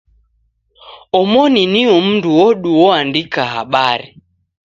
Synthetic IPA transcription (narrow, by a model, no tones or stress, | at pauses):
ɔmɔniniɔm̩nduwɔɗuwɔandikaɦa̰ɓaɾi